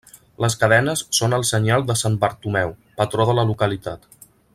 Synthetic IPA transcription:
ləskəðɛnəsːonəlˠsəɲalˠd̪əsanbəɾt̪umɛwpət̪ɾoðələlukəlit̪at̪

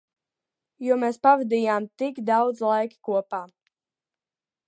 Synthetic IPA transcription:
juɔmeːspavad̪iːjaːmt̪ikd̪awd̪zlˠajki̥kuɔpaː

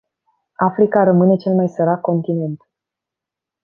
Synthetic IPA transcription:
afɾikaɾəmɨne̞t͡ʃe̞lmajsəɾakkːo̞nt̪ine̞nt̪

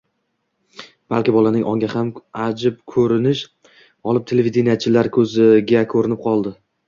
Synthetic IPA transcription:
b̥alˠkʲɪbɒlanɪŋʔɒŋɡʲahamad͡ʒɪp̚kʰɵɾɪnɪʃ | ɒlˠɪp̚t̪ʰelevid̪enijat͡ʃʰɪlaɾkʰɵzɪɡʲakʰɵɾɪnɪp̚qʰɒlˠd̪ɪ

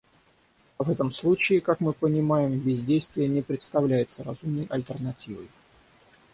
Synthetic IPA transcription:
ɐvɛt̪əmslˠut͡ɕɪːkakmɨpənʲɪmajɪmbʲɪzʲdʲejst̪vʲɪjənʲɪpɾʲɪt̪st̪ɐvlʲæjɪt̪səɾɐzumnəjʔɐ̰lʲt̪ərnɐtʲivə̰j

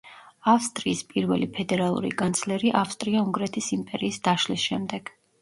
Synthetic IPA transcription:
afst̪ʼɾiːspʼiɾvɛlipʰɛd̪ɛɾalˠṵɾḭɡant̪sʰlɛɾiʔafst̪ʼɾiauŋɡɾɛt̪ʰisimpʼɛɾiːsd̪̥aʃlisʃɛmd̪ɛɡ̥

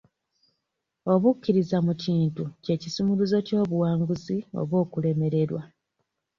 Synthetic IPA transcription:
o̞βukːiɾizamuciːntuce̞ːcisumuluzo̞co̞ːβuwaːŋɡuzio̞̰βwo̞ːkule̞me̞ɾe̞ɾwa

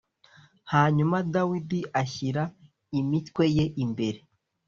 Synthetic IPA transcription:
haːɲumadawidiaçiɾa | imitkwe̞je̞ʔimbe̞ɾe̞

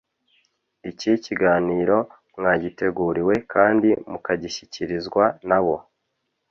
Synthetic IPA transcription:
iciciɡaːniːɾo̞ | mŋaːɟite̞ɡuːɾiwe̞kʰaːndimukaɟiʃiciɾizɡwanaβo̞

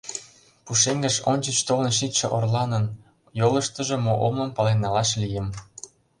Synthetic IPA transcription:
puʃeŋɡə̆ʃonʲt͡ɕət͡ɕt̪olə̆nʃ̬it̪ʃĕʔorlɑnən | jolə̆ʃt̪ə̆ʒĕmoʔomnə̆mpɑlenɑlɑʃlijə̆m

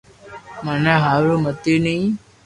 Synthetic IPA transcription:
məneɦaːɾumət̪inəĩ

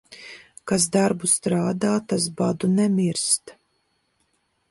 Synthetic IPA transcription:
kas̬d̪aɾbust̪ɾaːd̪aːt̪asbad̪unɛmiɾst̪

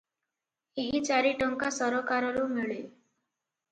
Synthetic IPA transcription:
eɦit͡saɾiʈəŋkasəɾɔkaɾɔɾumiɭe

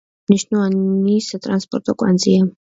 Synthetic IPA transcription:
niʃnɔanisat̪ʼɾanspʼɔɾt̪ʼɔkʼwa̰nd̪zia

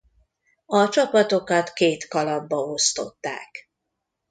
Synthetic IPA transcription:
ɒt͡ʃɒpɒt̪o̞kɒt̪keːt̪kɒlɒbːɒo̞st̪o̞̰t̪ːa̰ːk

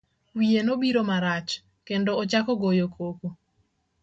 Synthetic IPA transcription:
wienobiɾomaɾat͡ʃ | kendoːt͡ʃakɔɡojokʰoko

